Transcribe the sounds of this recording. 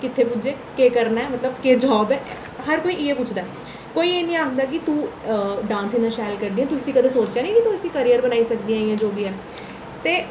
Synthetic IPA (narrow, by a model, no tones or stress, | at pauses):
kɪt̪ʰːeːpʊd͡ʒeː | keːkəɾnaɛːmət̪ləbkeːd͡ʒɔːbɛː | həɾkoːiːʔɪeːpʊt͡ʃʰd̪aː | koːiːeːnĩːaːkd̪aːk̬ɪt̪ũːɖãːnsĩːnãːʃaːjlkəɾd̪iːɦɛ̃ːt̪uəsĩːkəd̪ãːsoːt͡ʃjaːnĩːkɪt̪ũəsiːkəɾiːəɾbənaːiːsək̚d̪iːãːɪjãːd͡ʒoːɡiːɛː | t̪eː